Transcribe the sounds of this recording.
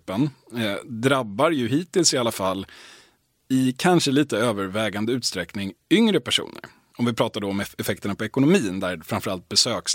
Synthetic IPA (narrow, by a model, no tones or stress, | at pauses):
pːən | d̪ɾabːaɾjɵɦiːt̪ɪlsɪalːafalː | ɪkʰanʂəliːt̪əøːvəɾvɛːɡand̪əʉ̟ːt̪st̪ɾɛknɪŋʏŋɾəpʰæʂṵːnə̰ɾ | ɔmvɪpʰɾɑːt̪aɖ̪ɔɔmɛɛfɛk̚t̪əɳapɔɛkʊnʊmiːnd̪æɾfɾamfœɾalt̪̚bɛsøːks